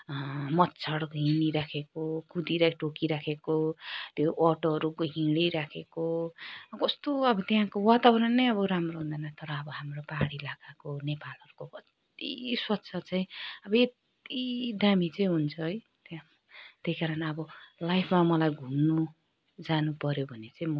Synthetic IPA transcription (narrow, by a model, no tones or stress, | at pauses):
mʌt̪t͡sʰʌɽɦiniɾakʰekokʰud̪iɾaʈokiɾakʰekot̪joʔʌʈoɦʌɾukoɦĩɽiɾakʰeko | kʌst̪oʌbʌt̪jãkowat̪awɾʌnːʌjʌbʌɾamroɦũnd̪anʌt̪ʌɾʌːbʌɦamropaɽilakakonepalʌɾukokʌt̪ | ḭswʌtːt͡sʰʌt͡sʌjĩʌbʌet̪ | id̪amit͡saĩɦunt͡sʰʌɦʌj | t̪jãm | t̪eikaɾʌnʌbʌlajpʰmamʌlajɡʱumnu | d͡zanupʌɾjobʱʌnet͡saĩmʌ